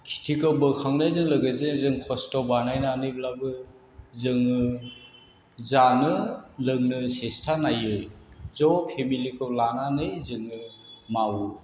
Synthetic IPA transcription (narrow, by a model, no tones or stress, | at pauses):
kʰi̥tʰikawbɯkʰaŋnajzɯŋlɯɡɯzenzɯŋkʰɔstɔbanajnaːnɯblabɯ | zɯŋɯ | zanɯlɯŋnɯsestʰanajɯjzɔpʰemilikʰɯwlananɯjzɯŋɯ | mawɯ